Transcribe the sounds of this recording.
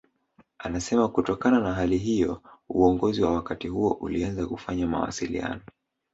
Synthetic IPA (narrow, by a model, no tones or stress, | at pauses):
anasɛmakutɔkananaɦaliɦijɔuɔŋɡɔziwawakatihuɔʔulianzakufaɲama̰wa̰silḭa̰nɔ